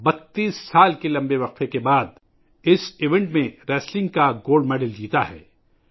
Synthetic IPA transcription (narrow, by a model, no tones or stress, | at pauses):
bɐt̪ːiːsːaːlkelɐ̃mbeʋɐq̚fekebaːd̪̚ | ɪsɪʋɛ̃ɳʈmẽɾɛːslɪ̃ŋɡ̚kaɡoːlɖmɛːɖəld͡ʒiːt̪aɦɛ̰ː